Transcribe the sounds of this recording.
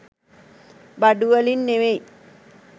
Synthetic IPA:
baɖuʋəlinːeʋej

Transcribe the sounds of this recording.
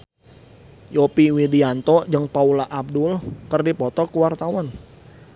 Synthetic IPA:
jɔpiwidiant̪ɔd͡ʒəŋpaulaʔab̚dʊlkərdipɔt̪ɔkuwart̪awan

